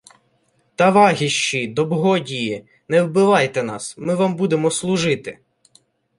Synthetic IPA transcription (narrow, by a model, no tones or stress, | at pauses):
t̪ɑʋɑɦʲiʃt͡ʃid̪ɔbɦɔdʲiji | nɛwbɪʋɑjt̪ɛnɑsmɪʋɑmbud̪emɔslˠʊʒɪt̪ɪ